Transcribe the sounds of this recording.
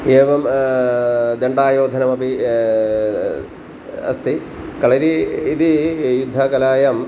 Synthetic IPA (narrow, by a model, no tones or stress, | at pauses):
eːʋɐm | d̪eɳɖaːjoːd̪ʱɐnɐmɐbʱi | ɐ̰st̪ʰi | kɐɭɐɾiid̪ijud̪ʱːɐkɐlaːjɐm